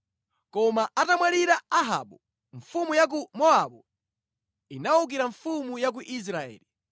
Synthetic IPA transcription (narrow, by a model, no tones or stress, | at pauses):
kɔmaʔatamwaɾiɾaaɦa̰ɓu | ɱfumujak̬umɔaɓɔ | inauk̬iɾaɱfumujak̬uʔis̬ɾaɛ̰ːli